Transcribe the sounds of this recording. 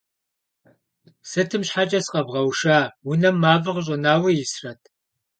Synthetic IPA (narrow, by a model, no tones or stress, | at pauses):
sɨtʰɨmɕħat͡ʃʼɐsqʼɐbʁɐwʃaːwʊnɐmːaːvɨʁəɕ̬ʼɐnaːwɐjɪsrɐtʰ